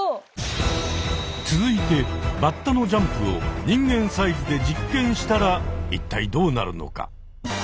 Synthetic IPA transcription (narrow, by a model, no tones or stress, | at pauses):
t͡sɨzɨit̪e̞mat̪ːano̞d͡ʑãmpɯ̟o̞̰ɲ̟ĩŋɡẽ̞ɰ̃saizɨd̪e̞d͡ʑikːẽ̞ɰ̃ɕi̥t̪aɾait̪ːaid̪o̞ːna̰ɾɯ̟no̞̰ka̰